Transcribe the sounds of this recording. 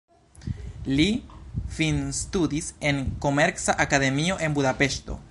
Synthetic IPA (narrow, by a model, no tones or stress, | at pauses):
lifinstudise̞nko̞me̞ɾksaʔakade̞mio̞ʔe̞nbudape̞ʃto̞̰